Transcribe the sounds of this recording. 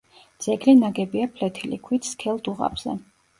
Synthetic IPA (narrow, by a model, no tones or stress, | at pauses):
d̪z̥ɛɡlinaɡɛbiapʰlɛt̪ʰilḭkʰwit̪skʰɛlˠd̪uʁa̰bz̥ɛ̰